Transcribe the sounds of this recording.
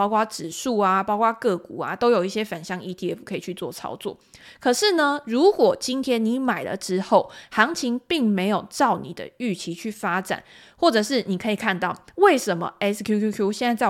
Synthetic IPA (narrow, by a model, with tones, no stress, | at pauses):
ɑ˥ʊkwa˥ʈ͡ʂɻ̩˨˩ʂu˥˩a˨pɑ˥ʊkwa˦˥kɤ˥˩ku˨˩a̰˨t̪o˥ʊjo˨˩ʊi˥˩ɕjɛ˥fa˨˩nɕjɑ˥˧ŋi˧˥t̪ʰi˧ɛ˦˥fu˨˩kʰɤ˧˦i˨t͡ɕʰy˥˧t͡swɔ̰˥˨t͡sʰɑ̰˥ʊt͡swɔ̰˥˩kʰɤ˨˩ʂɻ̩˥˩nə˨ɻu˧˥kwɔ˨˩t͡ɕi˦nt̪ʰjɛ˥nni˧˦ma˨˩ɪlə̰˦ʈ͡ʂɻ̩˦˥xo˥˩ʊxɑ˧˥ŋt͡ɕʰi˧˥ŋpi˥˩ŋme˧˥ɪjo˨˩ʊʈ͡ʂɑ˥˨˩ʊnḭ˨˩d̪ə̰˦y˥˩t͡ɕʰi˧˥t͡ɕʰy˥˩fa˦˥ʈ͡ʂa̰˨˩˦n | xwɔ˥˩ʈ͡ʂɤ˨˩ʂɻ̩˥˩ni˨˩kʰɤ˧˦˥i˨˩kʰa˥˧nt̪ɑ˥˩ʊwe˥˩ɪʂə˧˦nmə̰˧ɛ˦˥skʰju˥u˥kʰju˥ɕjɛ˥˧nt͡sa˥˧ɪt͡sa˥˨˩